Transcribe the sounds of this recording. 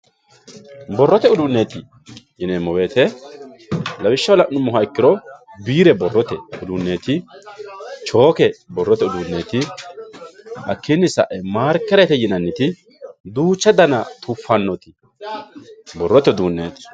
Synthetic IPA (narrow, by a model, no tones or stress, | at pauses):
bɔrːɔt̪ɛʊd̪ʊnːeːt̪ɪ | jɪnemːɔweːt̪ɛ | lɐwɪʃːɐwlɐʔnʊmːɔɦɐɪkːɪɾɔbiːɾɛbɔrːɔt̪ɛʊd̪ʊnːeːt̪ɪ | t͡ʃo̞ːkɛbɔrːɔt̪ɛʊd̪ʊnːeːt̪ɪ | ʔɐ̰kːɪnːɪsɐ̰ʔɛmaːɾkːɛɾɛt̪ɛjɪnɐnːɪt̪ɪ | d̪uːt͡ʃːɐd̪ɐnɐt̪ʰʊfːɐnːɔt̪ɪ̥ | bɔrːɔt̪ɛd̪uːnːḛːt̪ɪ̥